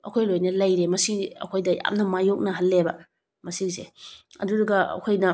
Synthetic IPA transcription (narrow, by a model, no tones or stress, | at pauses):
ɐkʰojlojnɐlɐjɾemɐsiɐ̰kʰojdɐja̰mnɐmajok̚nɐɦɐlːebɐ | mɐsizeɐ̰duɾɐɡɐɐ̰kʰojnɐ